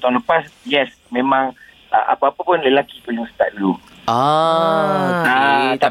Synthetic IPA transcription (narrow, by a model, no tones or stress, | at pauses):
t̪ɔŋləpasjɛs | mẽmãŋ | ʔə̰ʔa̰paapapʊnləlakipuluŋsə̥t̪a̰ʔ̚dulu | at̪a